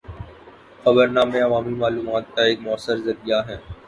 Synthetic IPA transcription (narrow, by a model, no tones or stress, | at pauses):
xɐbəɾnaːmẽɐʋaːmimaːluːmaːt̪̚kaeːk̚mʊəsːəɾzɐɾijaɦɛː